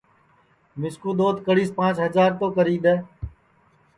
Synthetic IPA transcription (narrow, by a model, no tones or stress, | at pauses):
mɪskuːd̪oːt̪kəɽiːspãːt͡ʃɦəzaːɾt̪oːkəɾiːd̪ɛː